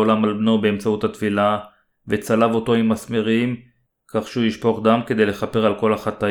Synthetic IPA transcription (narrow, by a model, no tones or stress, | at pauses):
olamalbnobeemt͡sauthat̪fila | vet͡salavo̞t̪oimasmeʁim | kaχʃeujiʃpo̞χdamke̞d̪e̞jle̞χape̞ʁalko̞laχat̪a